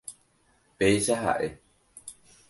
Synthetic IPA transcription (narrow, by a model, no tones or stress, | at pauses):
peʃaɦa̰ʔe